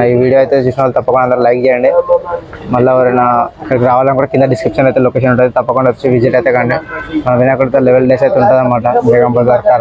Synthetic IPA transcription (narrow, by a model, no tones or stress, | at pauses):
iːʋiːɽijoːjt̪esisnolt̪ɐpːɐkoɳɖɐnd̪ɐɾɐlɐjk̚d͡ʒejɐɳɖi | mɐlːɐʋɐɾɛnɐkɐɾkɾaːʋaːlɐnkuːɽɐkind̪ɐɖiskɾipʂɐnɐjt̪elokeːʃɐnuɳʈːaːd̪et̪ɐpːɐkoɳɖɐt̪ːu̥t͡ʃːuʋid͡ʒiʈajt̪ekɐɳɖemɐnɐʋinaːkuɽit̪ːɐleʋelɖesɐjt̪euɳʈaːd̪ɐmaːʈɐeɡɐmbɐdɐɾkaːɾ